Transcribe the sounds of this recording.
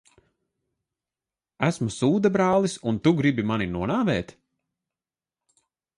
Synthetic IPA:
æsmusuːd̪abɾaːlˠisunt̪uɡɾibimaninuɔnaːvɛːt̪

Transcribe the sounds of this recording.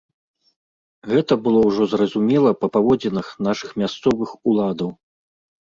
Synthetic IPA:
ɣɛt̪ɐbɨlˠɔwʐɔzrɐzumʲɛlˠɐpɐpavɔd͡zʲɛnɨxn̪aʂɨxmʲast̪sɔvɨxulˠad̪ɐw

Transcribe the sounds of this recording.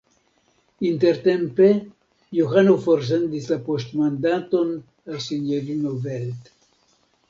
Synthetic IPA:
int̪eɾt̪empe | joxanofoɾs̬end̪isapost̪mand̪at̪on | asinjeɾinovelt̪

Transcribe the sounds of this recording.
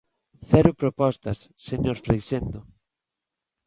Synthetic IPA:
θɛɾʊpɾopɔst̪ɐsːeɲoɾfɾejsend̪ʊ

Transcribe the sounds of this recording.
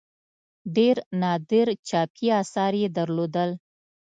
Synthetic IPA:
ɖeɾnɑd̪ɪɾt͡ʃɑpʰiɑsɑɾjed̪əɾlod̪əl

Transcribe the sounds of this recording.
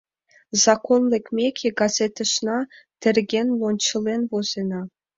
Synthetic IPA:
zɑkonlʲĕkʲmʲekʲʰeɡɑzʲet̪ʲə̆ʂnɑt̪ʲɘ̆rʲɡʲenʲlonʲt͡ɕɤ̆lʲenʲvozʲenɑ

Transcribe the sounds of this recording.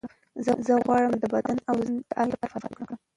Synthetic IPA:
zəzəɣwɑɽəmd̪əbad̪anawzd̪əʔapaɾfafkɽakɽəm

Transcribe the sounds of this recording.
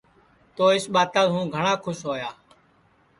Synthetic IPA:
t̪oːɪsɓaːt̪ãːɦũːɡʱəɳãːkʰʊsɦoːjaː

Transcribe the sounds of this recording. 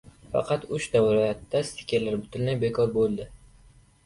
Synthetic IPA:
fɑ̰qʰɑt̪ʊʃd̪awɾajat̪ːast̪ʰɪ̥kʲaɾlaɾbʊt̪ʰʊnlajbe̞kʰɒɾbolˠd̪ɪ

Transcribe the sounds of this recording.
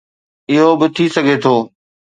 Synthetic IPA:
ɪɦobɪt̪ʰisɐɡʱeːt̪ʰoː

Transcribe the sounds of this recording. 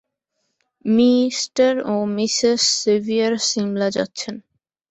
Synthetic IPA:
misʈaɾomisesːevʱiaɾsimlad͡ʑa̰tːɕʰen

